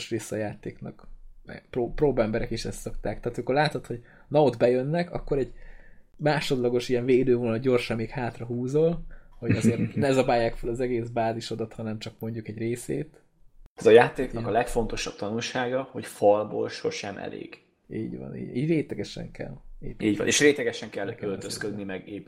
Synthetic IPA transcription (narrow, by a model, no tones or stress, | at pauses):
ʃɾeːsːɒjaːt̪eːknɒkmɛ̰ɡproːproːbɛmbɛɾɛkiʃɛst̪so̞kt̪aːk̚t̪aːt̪miko̞rlaːt̪ot̪ho̞ɟ | nɒod̪bɛjønːɛkɒ̰kːo̞ɾɛɟ | maːʃo̞d̪lɒɡo̞ʃijɛɱveːd̪øːvoːlnɒɟo̞rʃɒmːeːkhaːt̪rɒɦuːzo̞lho̞ɟɒzeːrt̪nɛzɒbaːjːaːkfølɒzɛɡeːsbaːziʃo̞d̪ɒt̪hɒnɛmt͡ʃɒkmo̞ɲɟukɛɟreːsḛːt̪ | ɛzɒjaːt̪eːknɒkɒlɛkfo̞nt̪o̞ʃɒb̚t̪ɒnulʃaːɡɒho̞cfɒlbo̰ːlʃo̞ʃɛmʔɛ̰lḛːɡ̥ | ḭːɟvɒ̰nḭːɟ̰iːɟɾeːt̪lɛɡɛʃɛ̰ŋkɛ̰lḭːiːɟɒ̰neːʃɾeːt̪lɛɡɛʃɛŋkɛlːølt̪øskød̪nimɛɡe